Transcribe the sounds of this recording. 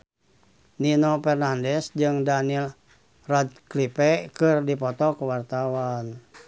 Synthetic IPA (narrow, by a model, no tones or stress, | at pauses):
ninɔpɛrnandɛsd͡ʒɨŋdanil | rad̪̚klipɛkɨrdipɔt̪ɔkuwart̪awan